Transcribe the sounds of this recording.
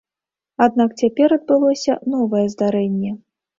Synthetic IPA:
ad̪̚nak̚t͡sʲapʲɛɾɐd̪̚bɨlˠɔsʲɐnɔvɐjɛzd̪aɾɛnʲːɛ

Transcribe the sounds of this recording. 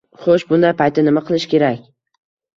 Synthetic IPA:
χoʃbʊnd̪ajpʰajt̪ːɪnɪmaqʰɨlˠɪʃkʲe̞ɾakʲ

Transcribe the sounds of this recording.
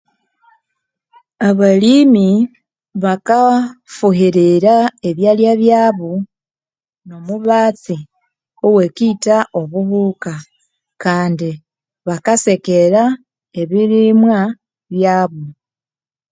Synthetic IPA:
aβalimi | βakafuhiɾiɾae̞βjaljaβjaːβu | no̞muβaːt͡si | owe̞kitao̞βuhuka | kaːndi | βakase̞ke̞ɾa | e̞βiɾimwa | βjaːβu

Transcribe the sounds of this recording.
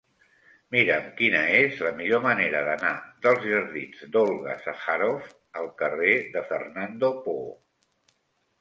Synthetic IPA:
miɾəmkinəezləmiʎoməneɾəðənaðəlˠzʒəɾðid͡zd̪olˠɣəsaxaɾof | əlˠkəreðəfərnand̪opo

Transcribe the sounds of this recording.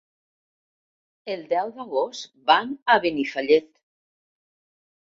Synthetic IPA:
elˠd̪ɛwðaɣost̪banaβenifaʎet̪

